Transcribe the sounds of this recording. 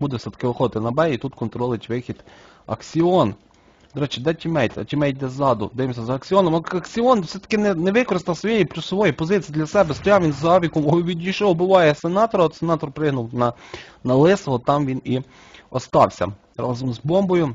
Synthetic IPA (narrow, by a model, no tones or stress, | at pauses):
bud̪ɛsʲɛt̪ɐ̥kɪɔxɔd̪ɪt̪ɪnɐbɛjit̪ut̪kɔnt̪ɾɔlˠɪtʲʋɪxʲid̪ | ɐ̰ksʲɪɔn | d̪ɔɾɛt͡ʃɪd̪ɛt͡ʃʲɪmɛjt̪ɐ̰t͡ʃɪmɛjd̪ɛzɑd̪ʊ̰d̪ɪɪmsʲɐzɐɐksʲɪɔnɔmɐkɐksʲɪɔnwsʲɛt̪ɐ̥kɪnɛnɛʋɪkɔɾɪst̪ɐsʋɔjejipɾʲʊsɔʋɔjipɔzɪt͡sʲijːd̪lʲɐsɛbɛst̪ɔjɑwʋʲinzɑʋʲikɔmɔʋʲidʲijʃɔwbʊʋɑjɛsenɑt̪ɔɾɐt̪senɑt̪ɔrpɾɪɦnʊwnɐnɐlˠɪsɔɦɔt̪ɑmʋʲini | ɔst̪ɑwsʲɐ̰ | ɾɑ̰zɔmzbɔmbɔjʊ